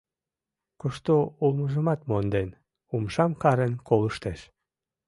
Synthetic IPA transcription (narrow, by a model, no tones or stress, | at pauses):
koʃt̪oulməʒəmɑt̪mond̪en | umʃɑmkɑɾenkoləʃt̪eʃ